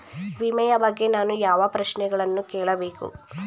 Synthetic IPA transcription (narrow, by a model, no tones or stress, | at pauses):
ʋimɐjɐbɐɡːe̞naːnujaːʋɐpɾɐʃnɛɡɐɭɐnːukeːɭɐbe̞ːkṵ